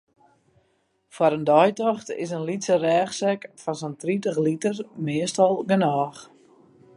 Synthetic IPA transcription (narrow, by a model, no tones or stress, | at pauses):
fwaɾəndɔjtɔxtɪ̰sənlitsərɛːxsɛkfɔnsəntritəxlitərmɪəstɔlˠɡənɔːx